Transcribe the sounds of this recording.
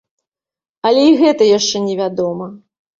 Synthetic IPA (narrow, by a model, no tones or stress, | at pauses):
ɐlʲɛiɣɛt̪ɐjaʂt͡ʂɛnʲɛvʲad̪ɔmɐ